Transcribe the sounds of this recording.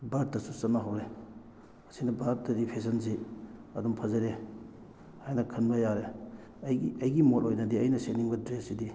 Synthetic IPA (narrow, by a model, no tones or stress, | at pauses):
baɾ̚tɐsusɐnːaɦawɾe | ɐsinɐbaɾ̚tɐdipʰes̬ɐnziɐdumpʰɐzɐɾe | hajnɐkʰɐnbɐjaɾe | jiɐjɡimolojnɐdiɐjnɐseniŋbɐdɾesidi